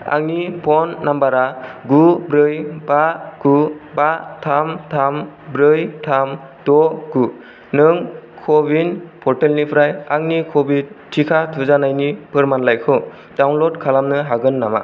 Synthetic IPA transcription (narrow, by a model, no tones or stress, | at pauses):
a̰ŋnipʰɔnːambaɾaɡubɾɯjbaɡ̥ubatʰamtʰambɾɯjtʰam | d̥ɔɡu | nɯŋkʰɔbinpʰɔɾtelnipʰɾajaŋnikʰɔbitʰːikʰatʰuzanajnipʰɯɾmanlajkʰɯ | dawnlɔdkʰalamnɯɦaɡɯnːama̰